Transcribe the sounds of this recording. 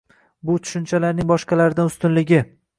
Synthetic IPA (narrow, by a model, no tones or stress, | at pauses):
bʊt̪ʰʊ̥ʃʊnt͡ʃʰalaɾnɪŋbɒʃqɑlaɾɪd̪anʊst̪ʊnlɪɡʲɪ